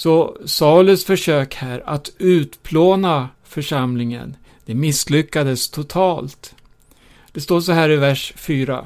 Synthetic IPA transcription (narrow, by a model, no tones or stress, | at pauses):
sɔsalɵsfœʂøːkhæːɾat̪ʉ̟ːt̪pʰloːna | fœʂamlɪŋə̰n | d̪̥ɛmɪslʏkːad̪əst̪ʰʊt̪ʰɑːlt̪ | d̪̥ɛst̪oːʂɔɦæːɾɪvæʂfyːɾa̰